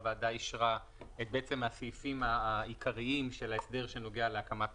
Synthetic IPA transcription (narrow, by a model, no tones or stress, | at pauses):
vaadajiʃʁa | et̪̚beet͡se̞mhasifimaikʰaʁiimʃe̞laesd̪e̞ʁʃe̞no̞ɡealeakamat